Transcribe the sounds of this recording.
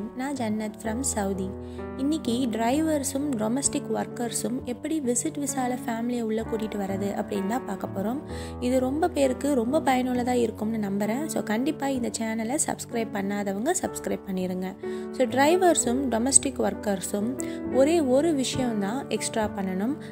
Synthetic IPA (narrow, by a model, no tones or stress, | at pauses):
nãːd͡ʒɛnːɐt̪fɾɐmsɐʊði | ɪnːɪkːiɖɾɐɪʋɐɾsɯmɖɔmɐsʈɪkːʋɐɾkɐɾsɯmɛpːɐɽiʋɪsɪʈʋɪsaːlɐfaːmɪlɪjɐʊɭːɐkːuːʈɪʈːɯʋɐɾɐðɯʔɐpːɽɪnːt̪ãːpaːɾkɐpːoːɾoːm | ɪðɯɾɔmbɐpeːɾɯkːɯɾɔmbɐpɐjɐnʊɭɐt̪ãːɪɾɯkːɯmnːɯnɐmbɐɾẽːsoːkɐɳɖɪpːaːɪnd̪ɐt͡ʃaːnɐlɐsɐ̰bskɾɐɪb̚pɐɳːaːðɐʋɐŋɡɐsɐ̰bskɾɐɪb̚pɐɳːɪɾɯŋɡɐsoːɖɾɐɪʋɐɾsɯmɖɔmɐsʈɪkːʋɐɾkɐɾsɯmɔɾeːɔɾɯʋɪʂɐjɐ̃d̪ãːʔɛksʈɾaːpɐɳːɐɳɯm